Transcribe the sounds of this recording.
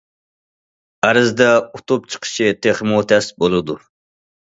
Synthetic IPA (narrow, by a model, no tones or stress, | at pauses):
æɾɨzd̪ɛut̪ʰup̚t͡ʃʰə̥qʰə̥ʃʰit̪ʰeχmut̪ʰɛsbolˠɨd̪u